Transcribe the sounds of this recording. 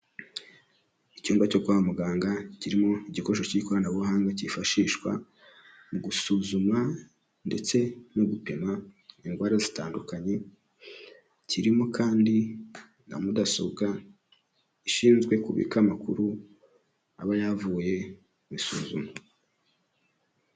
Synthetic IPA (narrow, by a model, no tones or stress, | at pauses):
icuːŋɡwaco̞ɡwaːwomuɡaːŋɡaciɾimoiɟiko̞ʃociiko̞ɾanaβuɦaːŋɡacifaʃiːʃkwa̰ | muɡusuːzuma | nde̞̰t͡se̞noɡupe̞maiŋɡwaːɾazita̰ːndukaɲe̞ | ciɾimokaːndi | na̰mudasoɡa | iʃiːnzɡwe̞kuβḭkamakuɾu | a̰βajavuːje̞ | βisuːzuma